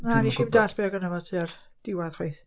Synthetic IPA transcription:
aniʃɪmdaɬb̥eɔɡənəvɔtʰiard̥ɪwaðχwejθ

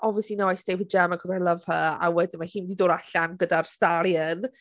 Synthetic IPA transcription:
ʔɔviəslinoajsd̥evəd͡ʒɛmakʰɔsalˠəv̥həa̰wɛdɪnmahiːnmdidoːɾaɬanɡədarstalˠjən

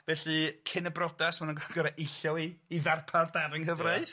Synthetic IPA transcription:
vɛɬɨkʰɪnəbrɔdasmanunɡɡ̥əɾaʔejɬjɔwiːðarpʰardaɾɪŋɦəvraɨ

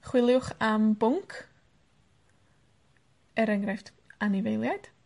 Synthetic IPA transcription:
χwɪlˠjʊχambʊŋkʰ | ɛɾɛŋrɛft | anɪvejlˠjad̥

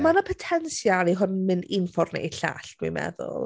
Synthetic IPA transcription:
manapʰɔtʰɛnsjaɾiɦʊnmɨnɪnfɔrnḛjɬa̰ɬwḭmɛ̰ðʊ̰lˠ

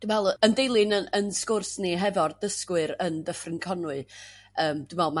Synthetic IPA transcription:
d̥umvɛlˠəndejlˠɨnənənskʊrsniɦɛvɔrd̥əskwɨɾəndəfrɪnkʰɔnʊɨ | əːmd̥ʊmvɛlˠma

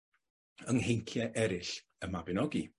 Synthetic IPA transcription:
əŋhejŋkʰjɛʔɛɾɪɬ | əmabɪnɔɡi

